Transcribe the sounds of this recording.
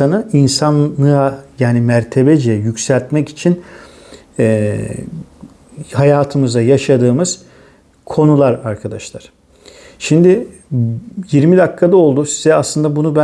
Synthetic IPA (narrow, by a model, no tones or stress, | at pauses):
anainsanːˠɯajaːnimæɾt̪ʰe̞bɛd͡ʒɛjycsælʲt̪mɛci̥t͡ʃʰin | ɛ | hajaːt̪ʰɯmɯzajaʃad̪ɯːmɯz̥ | kʰo̞nulˠaɾaɾkʰad̪aʃlˠaɾ̥ | ʃimd̪ɪ | jiɾmid̪akʰːad̪ao̞lˠd̪usi̥zɛaslˠɯnd̪abunubæ